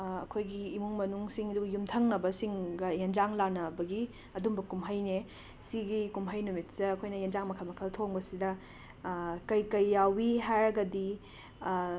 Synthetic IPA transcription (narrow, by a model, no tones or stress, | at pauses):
ɐ̰kʰojɡiːmuŋmɐnuŋsiŋɐduɡjumtʰɐŋnɐbɐsiŋɡɐjend͡ʒaŋlanɐbɐɡi | ɐdumbɐkumɦɐjne | siɡikumɦɐjnumitsɐːkʰojnɐjend͡ʒaŋmɐkʰɐlmɐkʰɐltʰoŋbɐsidɐ | kɐjkɐjːawiɦajɾɐɡɐdi